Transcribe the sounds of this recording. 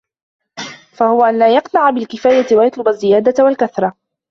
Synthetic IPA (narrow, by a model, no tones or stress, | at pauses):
fahʊwaʔanlaːjɑqnaʕabɪlkɪfaːjat̪wajɑt̪ˤlʊbazːɪjaːd̪awalkaθɾˤɑ